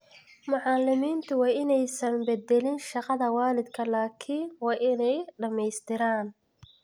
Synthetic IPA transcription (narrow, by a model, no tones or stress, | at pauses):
mʊʕɑlɪmiːnt̪ʰʊwɑːɪnɛjsɐnbɛd̪ɛlɪnʃɑqɑðɐwɑːlɪd̪kʰɐlaːkʰɪnwɑːʔɪnɛjɖɐmɛjst̪ʰɪɾaːn